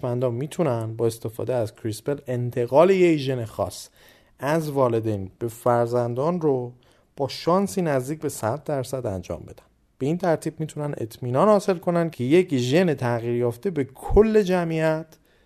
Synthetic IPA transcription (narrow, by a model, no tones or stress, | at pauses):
mænd̪ɒːmiːt̪ʰunænd̪bɒːest̪e̞fɒ̰ːd̪eæzkʰɾispele̞nt̪ʰe̞ɣɒːlejecʒe̞nexɒ̰ːs | æzvɒːle̞d̪enb̥e̞fæɾzænd̪ɒːnro | b̥ɒːʃɒːnsiːnæzd̪iːc̚be̞sæd̪̚ːæɾsæd̪ænd͡ʒɒ̰ːmbe̞d̪ænd̪b̥e̞iːnt̪ʰæɾt̪ʰiːb̚miːt̪ʰunæne̞̰t̪ʰmiːnɒːnhɒːse̞lkʰo̞nænd̪cʰe̞jecʒe̞net̪ʰæɣiːɾjɒːft̪e̞be̞kʰolːe̞d͡ʒæmijæt̪ʰ